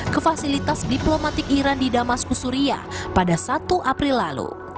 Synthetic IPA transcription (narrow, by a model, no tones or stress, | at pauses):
kəfasilit̪asdiplomat̪ɪk̚iɾandidamaskusuɾia̰padasat̪uʔapɾilːalṵ